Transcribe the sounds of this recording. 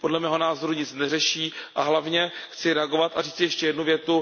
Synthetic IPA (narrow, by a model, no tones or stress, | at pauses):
po̞dlɛmɛːɦo̞naːzo̞ɾuɲɪt͡snɛrɛʃiːʔaɦlavɲɛxt͡sɪɾɛaɡo̞vat̪ʔariːt͡sɪjɛʃcɛjɛdnuvjɛt̪u